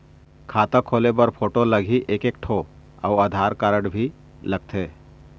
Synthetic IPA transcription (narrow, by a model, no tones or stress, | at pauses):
kʰaːt̪əkʰoːlebəɾpʰoːʈoləɡʱiʔekek̚ʈʰo | a̰wəd̪ʱaːɾkaːɾəɽbʱi | ləɡ̚t̪ʰeː